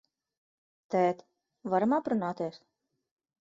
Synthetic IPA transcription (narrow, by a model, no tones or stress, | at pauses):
t̪ɛt̪ | vaɾamapɾunaːt̪eːs